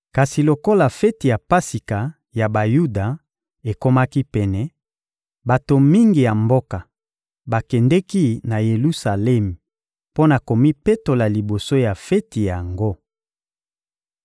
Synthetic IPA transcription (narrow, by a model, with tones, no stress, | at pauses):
ka˨si˨lo˨ko˦la˨fɛ˦ti˨ja˨pa˦si˨ka˨ | ja˨ba˨ju˦da˨ | e˨ko˦ma˦ki˦pɛ˨nɛ˨ | ba˨to˨mi˦ŋɡi˨ja˨mbo˦ka˨ | ba˨kɛ˨ndɛ˦ki˦na˨je˨lu˦sa˨lɛ˦m˨ | po˦na˨ko˨mi˦pe˦to˨la˨li˨bo˨so˦ja˨fɛ˦ti˨ja˨ŋɡo˦